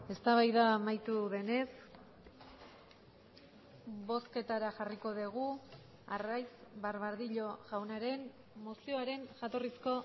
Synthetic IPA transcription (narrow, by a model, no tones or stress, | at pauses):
e̞st̪aβajðaːmajt̪uðe̞ne̞s | βo̞ske̞t̪aɾaʝariko̞ðeɣ̞u | a̰rajsβaɾβaɾðiʎo̞ʝawnaɾe̞n | mosio̞aɾe̞nʝat̪o̞risko̞